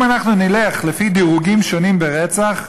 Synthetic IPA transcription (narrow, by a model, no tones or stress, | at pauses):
manaχnunileχlefid̪iʁuɡimʃo̞nimbeʁet͡saχ